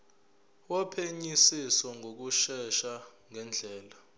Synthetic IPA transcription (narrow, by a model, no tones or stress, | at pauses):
wɔpʰeɲisisɔŋʱok̬uʃɛʃaŋɛnd͡ɮʱɛːla